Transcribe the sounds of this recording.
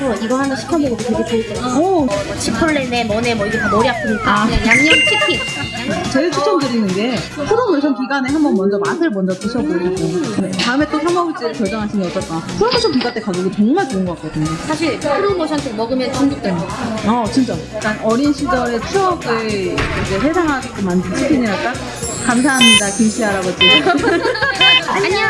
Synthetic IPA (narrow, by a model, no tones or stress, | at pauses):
sʰʌiɡʌɦanɯnɕʰi̥kʰjʌmoɡɯdot͡ɕeɡopoit͈aʌ | t͡ɕʰipʰɯɭːenemʌnemʌiɡetʰanoɾiak͈iɲik͈ajaŋɲʌnt͡ɕʰipʰi | t͡ɕeiɭt͡ɕʰut͡ɕʰʌmdɯɾinɯnɡe̞pʰuɾomoɕʰʌnpɥiɡaneɦanbʌnmʌnd͡ʑʌmasʰɯɭmʌnd͡ʑʌpuɕʰʌɡoaɡokɯnetaɯme̞t͈oçʰjʌmaut͡ɕ͈iɾɯɭkjʌɭd͡ʑʌŋɦaɕʰinɯnʌt͡ɕ͈ʌk͈asʰuɾomoɕʰʌnpɥiɡat͈ekaɡoɡet͡ɕʌŋmaɭt͡ɕoɯnɡʌk͈ḁk͈ʌdɯɲosʰaɕ̬ʰiɭpʰuɾomoɕʰʌntʰemʌɡɯmjʌnt͡ɕʰuŋɡuk̚t͈emʌt͡ɕint͡ɕ͈ʌik͈anʌɾinɕʰid͡ʑʌɾe̞t͡ɕʰuʌɡeid͡ʑe̞ɸe̞sʰaŋɦaɡok͈omandɯt͡ɕʰikʰiɲiɾaɭk͈ak̚ | kams̬ʰaɦamɲidakimɕʰiɦaɾaɡot͡ɕi | ɲi